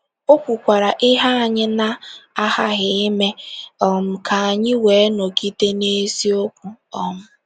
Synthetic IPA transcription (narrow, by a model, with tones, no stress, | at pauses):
o˦kʷu˨kʷa˨ɾa˨ʔɪ˦ɦa˦a˨ɲɪ˦na˦a˦ha˦ɣɪ˨ɪ˦me˦ɔ˦m̩˨kʰa˨a˨ɲɪ˦we˨˦no˨ki˦te˦ne˦si˦o˦kʷu˨ɔ˨m̩˦